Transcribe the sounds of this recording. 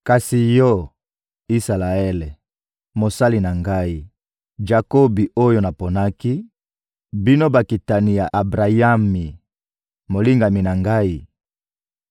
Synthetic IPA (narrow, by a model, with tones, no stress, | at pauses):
ka˨si˨jɔ˦ | i˦sa˨la˨ɛ˦le˨ | mo˨sa˦li˨na˨ŋɡa˦i˦ | d͡ʒa˨ko˦bi˨ʔo˦jo˦na˨po˨na˦ki˦ | bi˦no˦ba˨ki˨ta˨ni˨ja˨ʔa˨bʁa˨ja˦mi˨ | mo˨li˦ŋɡa˨mi˨na˨ŋɡa˦i˦